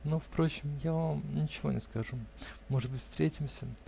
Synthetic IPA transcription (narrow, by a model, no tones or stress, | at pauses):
nofpɾo̞t͡ɕɪmjavamnʲɪt͡ɕɪvo̞nʲɪskɐʐumoʐɨd̪̚bɨtʲfst̪ɾʲetʲɪmsʲə